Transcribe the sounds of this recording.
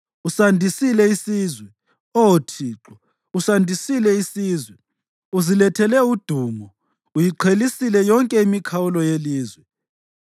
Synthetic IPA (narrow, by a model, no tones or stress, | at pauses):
usandʱisilɛisiːzwɛ | ɔwotʰiːǁɔ | usandʱisilɛisiːzwɛ | uzilɛtʰɛlɛud̥ʱuːmɔ | ujiǃʰelisilɛjɔŋkʼɛimikʰawulɔjeliːzwɛ